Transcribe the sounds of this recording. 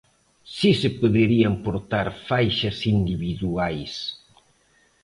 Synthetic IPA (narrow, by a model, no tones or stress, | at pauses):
sisepoðeɾiampoɾt̪aɾfajʃɐsind̪iβiðuajs